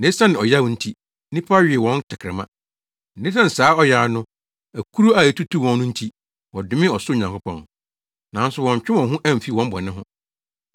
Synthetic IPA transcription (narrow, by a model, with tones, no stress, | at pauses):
nẽ˨˦sa˦nɪ̃˨ɔ˨ja˦wn̩˦tʰi˦ | nĩ˦pʰa˦ɥɪ˨ɛ˨wɔ̃˦n˦tʰɪ˨kʰɾɪ˨mã̰˦ | n̩˨dɪ̃˦tã˦˨n̩˨saː˨˦ɔ˦jaː˨nʊ̃˦ | æ˨kʰu˦ɾu˦a˨e˨tʰu˦tʰu˦˨wɔ̃˨nː˦ʊ̃˦n̩˦tʰi˦ | wɔ˨dʊ˦mɪ̃˦ɔ˨sʊ˦˨ɲã˨kʰʊ˦pʰɔ̰̃˨n | nã˨˦n˦sʊ˨wɔ̃˨ɲ˨t͡ɕᶣɪ̃˦ɔ̃˨ɦʊ̃˦ʔæ̃˦m̩˨fi˦˨wɔ̃˦m˦bɔ̰˨nɪ̃˦ɦʊ̃˦